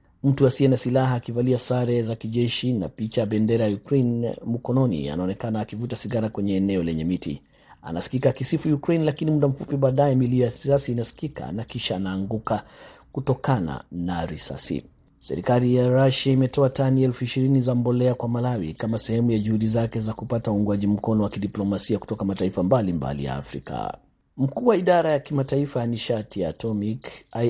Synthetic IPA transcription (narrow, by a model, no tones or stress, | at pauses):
m̩tuasiɛnasilaɦaːkivaliasaɾɛzakiʄɛʃina̰pit͡ʃajabɛndɛɾajajukɾejnmukɔnɔnḭa̰naɔnɛkanaːkivutasiɡaɾakwɛɲɛːnɛɔlɛɲɛmitḭ | a̰nasi̥kikakisifujukɾejnlakinimuɗam̩fupiɓaːɗajɛmilijaɾisasiːnasi̥kika̰nakiʃaːnaːŋɡukakutɔkana̰naɾisa̰sḭ | sɛ̰ɾikalijaɾaʃaimɛtɔataniɛlfuiʃiɾinizambɔlɛakwamalawḭkamasɛhɛmujaʄuhuɗizakɛzakupatauŋɡwaʄim̩kɔnɔwakiɗiplɔmasiaku̥tɔkamataifambalimba̰lḭja̰ːfɾḭka̰ | m̩kuːwaiɗaɾajakimataifajaniʃatijaːtɔmik